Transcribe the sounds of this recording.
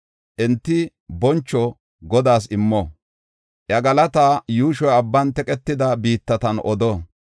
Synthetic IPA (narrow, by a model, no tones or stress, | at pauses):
ʔɛnt̪ːɪ | bɔnt͡ʃːɔ | ɡɔd̪aːs̬ɪmːɔ | ʔjɐɡɐlɐt̪aːjuːʃɔjɐbːɐnt̪ɛkʼɛt̪ːɪd̪ɐbiːt̪ːɐt̪ɐnɔd̪ɔ